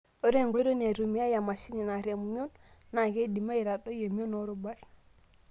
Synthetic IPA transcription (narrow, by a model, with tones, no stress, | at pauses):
o˦ɾe˦˨ŋɡe˦ɾo˦ne˨ɾu˨mi˦a˦ja˨ma˨si˦ni˨na˨ɾe˨mu˦mi˦o˦nːa˨ɡe˦di˨ma˦i˨ɾa˨ɗo˦je˨m˦o˦no˦ɾo˦ba˦l